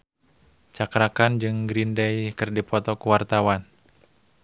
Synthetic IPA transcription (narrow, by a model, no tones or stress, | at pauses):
t͡ʃakɾakand͡ʒɨŋɡɾindɛjkɨrdipʰɔt̪ɔkuwart̪awan